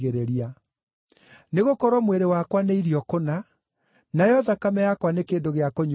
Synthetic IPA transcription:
ɣeɾeɾia | neɣokɔɾɔmweɾewakwaneiɾiɔkona | najɔðakamɛjakwanekeːndoɣeakoɲ

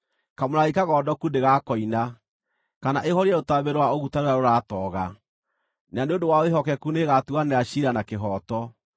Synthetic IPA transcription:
kamoɾaɣikaɣɔːdɔkundeɣakɔina | kanaʔehɔɾiɛotaβeɾowaoɣutaɾoaɾoɾatɔɣa | naneondowaoeɦɔkɛkuneɣatuaneaɕiɾanakeɦɔːtɔ

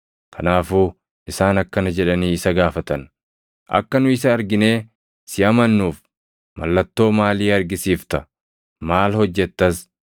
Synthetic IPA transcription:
kʰɐnaːfuː | ʔɪsaːnɐkːɐnɐd͡ʒɛᶑɐniːɪsɐɡaːfɐt̪ɐn | ʔɐ̰kːɐnʊɪsɐːɾɡɪneː | sɪɐmɐnːuːf | mɐ̰lːɐt̪ːo̞ːmaːliːɐɾɡɪsiːft̪ɐ | maːlhɔd͡ʒːɛt̪ːɐs

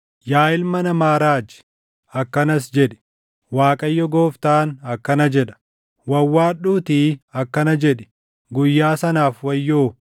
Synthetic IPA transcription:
jaːɪlmɐnɐmaːɾaːd͡ʒɪ̥ | ɐkːɐnɐs̬d͡ʒɛᶑɛ̥ | waːkʼɐjːɔɡoːft̪aːnɐkːɐnɐd͡ʒɛᶑɐ̥ | wɐwːaːɗuːt̪iːɐkːɐnɐd͡ʒɛᶑɪ̥ | ɡʊjːaːsɐnaːfwɐjːoː

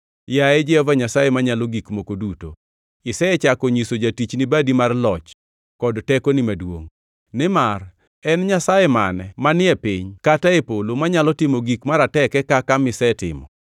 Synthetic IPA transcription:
jaɛd͡ʒɛɔvaɲasajɛmaɲaloɡikmokoduto̰ | ɪsɛt͡ʃakɔɲisod͡ʒatit͡ʃnɪbadimarlɔt͡ʃ | kɔdtɛkonɪmadwo̰ŋ | nɪmar | ɛnɲasajɛma̰nɛmanɪɛpiɲkataepolomaɲalɔtɪmoɡikmaɾatɛkɛkakamɪsɛtɪ̰mɔ̰

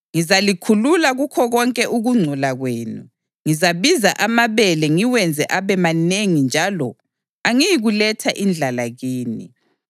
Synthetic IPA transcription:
ŋizalikʰululaɣukʰɔɣɔŋkʼɛʔuɣuŋ͡ǀʱulaɣweːnṵ | ŋizaβiza̰ʔamaβɛlɛŋiwɛnd͡zʱɛʔaβɛmaneŋind͡ʒʱalɔ | aŋijiɣulɛtʰaʔind͡ɮʱalaɣiːnḭ

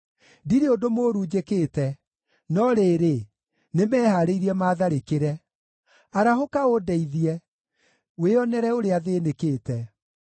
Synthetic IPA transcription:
diɾeodomoɾuːd͡ʑekeːtɛ | nɔɾeːɾe | nemɛːhaɾeiɾiɛmaːðaɾekeɾɛ | aɾahokaodɛiðiɛ | weɔnɛɾɛoɾeaðeːnekeːtɛ

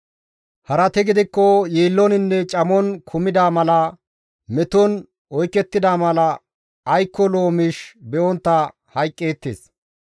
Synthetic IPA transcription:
hɐɾɐt̪ɛɡɪd̪ɪkːɔjiːlːɔnɪnːɛt͡ʃʼɐmɔnkʰʊmɪd̪aːmɐlɐ | mɛt̪ɔn | ɔjkːɛt̪ːɪd̪aːmɐlɐː | jkːɔlo̞ːmɪʃbɛʔɔnt̪ːɐ | hɐjkʼːeːt̪ːḛːs

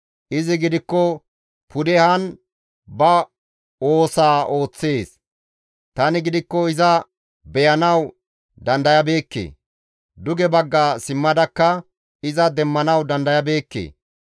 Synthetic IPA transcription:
ʔɪzɪɡɪd̪ɪkːɔ | pʰʊd̪ɛhɐn | bɐ | o̞ːsaːʔo̞ːt͡sːe̞ːs | t̪ɐnɪɡɪd̪ɪkːɔɪzɐ | bɛjɐnɐw | d̪ɐnd̪ɐjɐbe̞ːkːḛː | d̪ʊɡɛbɐɡːaːsɪmːɐd̪ɐkːɐ | ɪzɐd̪ɛmːɐnɐwd̪ɐnd̪ɐjɐbe̞ːkːḛː

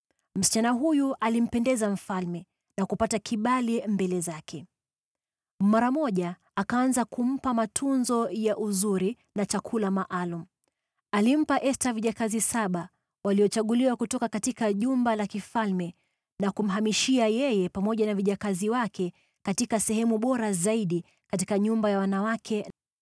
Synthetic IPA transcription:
m̩si̥t͡ʃanaɦujuʔalim̩pɛndɛzaɱ̩falmɛ | nakupatakʰiɓalimbɛlɛzakʰɛ | maɾamɔʄaː | kaːnzakum̩pamatʰunzɔjaʔuzuɾi | nat͡ʃakʰulamaʔalum̩ | alim̩paʔɛstaviʄakazisaɓa | waliɔt͡ʃaɠuliwakutɔkakatikaʄumbalakifalmɛ | nakum̩ɦamiʃiajɛjɛpamɔʄanaviʄakaziwakʰɛ | katikasɛhɛmuɓɔɾazaiɗi | katikaɲumbajawanawakʰɛ

